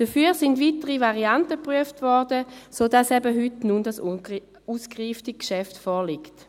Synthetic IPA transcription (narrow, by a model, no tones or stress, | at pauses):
d̥əfyːəʁsɪndvitəʁivaʁiantəpʁyəftvɔʁdəsoːdasɛbəɦytnundas | uːskʁiːftɪkʃɛftfɔːʁlikt